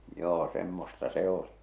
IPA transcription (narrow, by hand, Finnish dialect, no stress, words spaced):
joː semːostɑ se oli